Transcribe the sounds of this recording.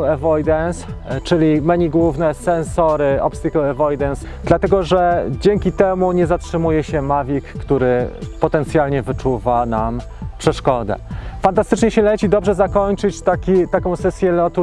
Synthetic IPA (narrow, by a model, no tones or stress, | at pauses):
ɛvɔjd̪ɛnst͡ʂɘlʲimɛɲiɡwuvnɛsɛnsɔɾɘɔpst̪ikulɛvɔjd̪ɛns | d̪lat̪ɛɡɔʐɛd͡ʑeŋkʲit̪ɛmuɲɛzatʂɘmujɛɕɛmavʲikːt̪uɾɘpɔt̪ɛnt̪sʲjalɲɛvɘt͡ʂuvanam | pʂɛʂkɔd̪ɛ̰fant̪ast̪ɘt͡ʂɲɛɕɛlɛt͡ɕid̪ɔbʐɛzakɔɲt͡ʂɘt͡ɕt̪akʲit̪akɔ̃w̃sɛsʲjɛlɔt̪u